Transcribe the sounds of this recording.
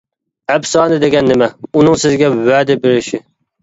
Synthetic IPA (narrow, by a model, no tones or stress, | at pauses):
ɛbsɑːnɨd̪eɡʲɛnːɪmɛunɨŋsɪzɡʲɛwæːd̪ɪbeɾɪʃɪ